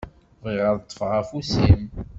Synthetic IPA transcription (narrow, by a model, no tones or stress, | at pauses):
vʁiʁəðˤt̪ˤːfʁæfusim